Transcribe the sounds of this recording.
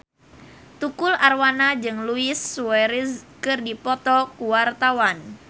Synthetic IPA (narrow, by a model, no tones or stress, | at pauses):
t̪ukʊlarwanad͡ʒɨŋluɪsːuwɛɾiskɨrdipɔt̪ɔkuwart̪awan